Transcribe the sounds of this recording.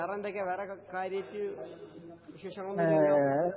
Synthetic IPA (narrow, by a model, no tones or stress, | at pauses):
ɐrɐnd̪okʲːɐʋeːrɐkaːɾjɐtːɨ | ʋiɕeːʂɐŋːɐɭunu